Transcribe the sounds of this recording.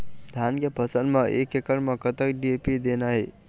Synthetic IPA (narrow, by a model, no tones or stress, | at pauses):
d̪ʱjankepʰəsənmeʔekekəɾmekət̪əkɖiepid̪enaɦe